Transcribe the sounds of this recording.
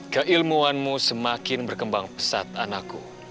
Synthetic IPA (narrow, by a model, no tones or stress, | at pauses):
kəʔilmuanmusəmakɪnbərkəmbaŋpə̥sat̪̚anakṵ